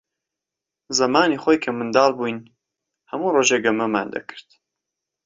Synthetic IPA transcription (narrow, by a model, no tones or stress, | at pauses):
zɐmaːniːχoːjkʰɐmɨnd̪ɑːlˠbujn | hɐmuːroːʒeːɡɐmɐma̰ːnd̪ɐ̰kʰɨ̥ɾd̪̥